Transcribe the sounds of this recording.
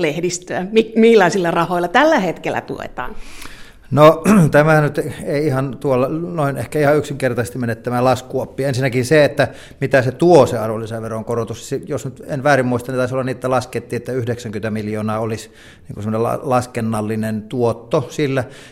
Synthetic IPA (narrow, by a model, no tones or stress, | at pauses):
lehdist̪øæmikmilːɑisilːɑrɑhoˑilɑt̪ælːæhet̪kelːˑæ̰t̪ṵḛt̪ɑ̰ːn | not̪æmænyt̪eˑiihɑnt̪uolːɑnoˑinehkæihɑyksiŋkert̪ɑsest̪imenet̪ːæmælɑskuɑpːiːensinːækinseet̪ːæ | mit̪æset̪uoseɑrolːˑiseʋʋeroŋkorot̪ussijosnyt̪enʋæːrimmuist̪ɑnit̪ɑˑisolːɑniet̪ːælɑsket̪ːiːet̪ːæyhdeksæŋkynt̪æmiljoːnɑːolis | niːŋkusmːoneɑ̰lɑskenːɑlːinent̪uot̪ːosilːæ